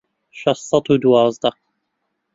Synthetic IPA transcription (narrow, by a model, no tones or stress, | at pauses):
ʃɑsˤːɑt̪ud̪wɑːzˤd̪ɑq